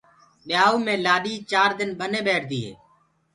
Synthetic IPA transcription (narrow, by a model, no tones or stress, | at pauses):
ɗɪjaːuːmẽːlaːɗiːt͡ʃaːɾd̪ɪnɓənẽːɓeːʈʰd̪iːɦḛː